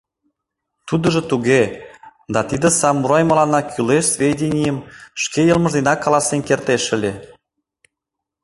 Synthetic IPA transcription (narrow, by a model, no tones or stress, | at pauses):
t̪ud̪ə̆ʒĕt̪uɣed̪ɑt̪id̪ə̆sɑmːuɾɑjmə̆lɑnɑkʰyleʃsvʲedʲenʲijəmʃkejə̆lmə̆ʒd̪enɑkːɑlˠɑsenkert̪eʃə̆lʲe